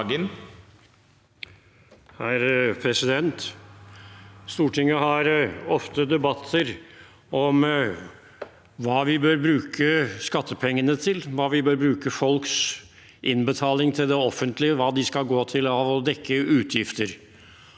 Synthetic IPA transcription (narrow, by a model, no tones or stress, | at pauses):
ɡən | hæɾpʰɾɛsɪd̪ɛnt̪ | st̪uːʈʰɪŋːəhɑɾɔft̪əd̪ɛbɑt̪ʰːəɾ | ɔm | ʋɑːʋɪbøːɾbɾʉːkʰəskɑt̪ːəpʰɛŋːənət̪ʰɪlʋɑːʋɪbøːɾbɾʉːkəfɔlks | ʔɪnbət̪ʰɑːlɪŋt̪ʰɪld̪ɛɔfənt̪lɪəʋɑːd̪ɪskɑlɡoːt̪ʰɪlɑʋɔd̪ɛkʰːəʉːt̪ʰjɪft̪əɾ